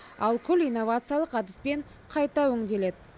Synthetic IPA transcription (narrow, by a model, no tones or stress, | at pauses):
ɑlˠkʲʰʏlijnːo̞vat̪sɨjalˠəqɑd̪ɪspe̞ɴ | qʰɑjt̪ɑwɵŋd̪e̞le̞d̪ɪ